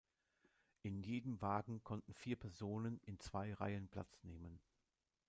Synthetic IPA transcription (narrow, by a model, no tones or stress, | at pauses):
ʔɪnjeːdəmvaːɡŋ̩kʰɔntn̩fiːɐpʰɛɐzoːnənɪnt͡sv̥aɪʁa̰ɪənpʰl̥a̰t͡sneːmən